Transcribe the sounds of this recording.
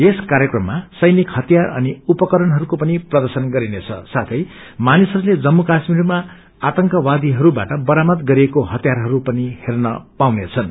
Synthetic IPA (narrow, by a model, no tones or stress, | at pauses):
eskaɾjʌkrʌmːasʌjnikhʌt̪ijarʌniupʌkʌɾʌnɦʌɾukopʌniprʌd̪ʌrsʌnɡʌɾinet͡sʰʌ̰sat̪ʰʌj | manisɦʌɾuled͡zʌmːukasmirma | at̪ʌŋkʌwad̪iɦʌɾuba̰ʈʌbʌɾamʌt̪ɡʌɾiekoɦʌt̪jarɦʌɾupʌnihernʌpawnet͡sʰʌn